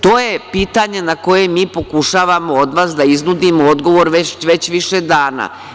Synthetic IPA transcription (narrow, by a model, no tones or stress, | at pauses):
t̪o̞ːje̞piːt̪aɲe̞nako̞jemiːpo̞kuʃaːʋamo̞od̪ʋaːsd̪aiznud̪imood̪ɡo̞ʋo̞ɾʋeʋe̞t͡ɕʋiʃed̪aːna̰ː